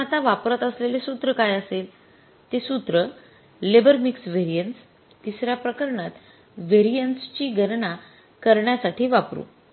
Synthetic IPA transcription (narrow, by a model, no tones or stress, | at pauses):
at̪aʋapɾət̪əslelesut̪ɾəkajəsel | t̪esut̪ɾə | lebəɾmiksʋeɾijəns | t̪isɾjapɾəkəɾɳat̪ | ʋeɾijənst͡ɕiːɡʱənɳa | kəɾɳjasaʈiːʋapɾṵ